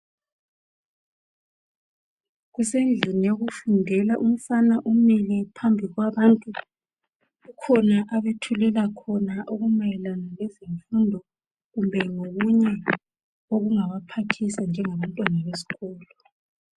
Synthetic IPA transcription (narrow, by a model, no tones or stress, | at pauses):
ɣusend͡ɮʱinijoɣufundʱɛlaʔum̩fanaʔumilɛpʰambʱiɣwaβantʼu | ɣukʰɔnaʔaβetʰulɛlakʰɔnaʔoɣumajɛlanalɛzeɱfundʱɔ | ɣumbʱɛŋoɣuɲɛ | oɣuŋaβapʰatʰisand͡ʒʱɛŋaβantʼwanaβesi̥ɣɔːlɔ